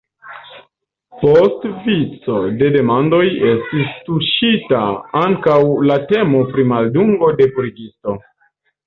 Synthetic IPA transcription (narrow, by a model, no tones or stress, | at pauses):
postvit͡so̞de̞de̞mando̞je̞stistuʃitaaŋkawlate̞mo̞pɾimalduŋɡo̞de̞pɾiɡisto̞